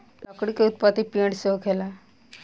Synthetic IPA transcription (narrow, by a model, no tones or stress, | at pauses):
lɔkɽikeut̪̚pat̪ipiɳɽseʋkʰɛla